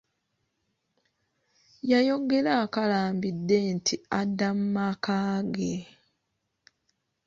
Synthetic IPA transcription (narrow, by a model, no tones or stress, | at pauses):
jajo̞ɡe̞laːkalaːmbidːe̞ntʰiadːamumakaːɡe